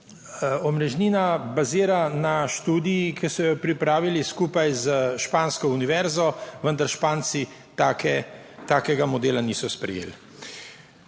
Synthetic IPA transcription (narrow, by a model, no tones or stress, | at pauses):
ɔmɾɛʒniːnabaziːɾanaʃt̪uːd̪ijːkɛsɔjɔpɾipɾaːʋiliskuːpajzəʃpaːnskɔuniʋɛɾzɔʋənd̪aɾʃpaːnsi | t̪aːkɛt̪aːkɛɡamɔd̪eːlaniːsɔspɾɛ̰jḛːl